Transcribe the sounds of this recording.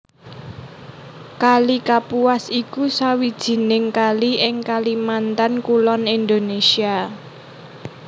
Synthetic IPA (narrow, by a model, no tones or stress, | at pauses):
kalikapuasikusawid̥ʒ̥i̤nɪŋkaliʔɪŋkalimant̪ankulɔnind̪onesia